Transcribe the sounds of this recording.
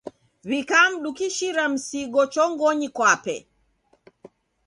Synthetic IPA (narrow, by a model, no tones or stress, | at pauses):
βikam̩ɗukiʃiɾam̩siɡɔt͡ʃɔŋɡɔɲikwapɛ̰